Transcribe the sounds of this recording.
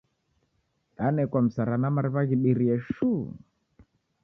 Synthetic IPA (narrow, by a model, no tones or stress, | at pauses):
anɛkwam̩saɾanamaɾiβaɣiɓiɾiɛʃu